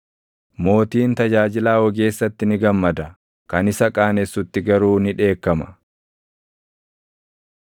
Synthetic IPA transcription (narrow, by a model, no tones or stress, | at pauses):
mo̞ːt̪iːnt̪ɐd͡ʒaːd͡ʒɪlaːwɔɡe̞ːsːɐt̪ːɪnɪɡɐmːɐd̪ɐ | kɐnɪsɐkʼaːnɛsːʊt̪ːɪɡɐɾuːnɪᶑe̞ːkːɐmɐ̥